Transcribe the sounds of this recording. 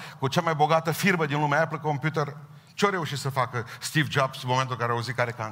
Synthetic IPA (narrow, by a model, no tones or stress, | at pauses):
kut͡ʃamajbo̞ɡat̪əfirməd̪inlumeaapləko̞mpjut̪er | t͡ʃeaɾe̞uʃit̪səfakəst̪ivd͡ʒabsmoment̪ulŋkaɾeauzit̪kaɾekan